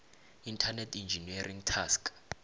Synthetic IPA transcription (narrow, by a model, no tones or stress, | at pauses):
intʰanɛtʰind͡ʒʱiniarʔiŋtʰask